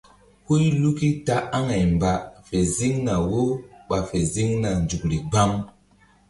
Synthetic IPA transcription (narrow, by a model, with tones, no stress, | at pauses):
ho˦jlu˦ki˦ta˦ʔa˦ŋa˨jmba˨fe˨zi˦ŋna˨wo˦ɓa˨fe˨zi˦ŋna˨nd͡ʒu˨kɾi˨ɡ͡ba˦m